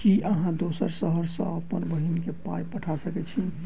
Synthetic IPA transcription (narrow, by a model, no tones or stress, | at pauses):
kiʔəɦãd̪osəɾsəɦəɾsə̰̃əpənbəɦinkepajpəʈʰasəkɛt͡ʃʰi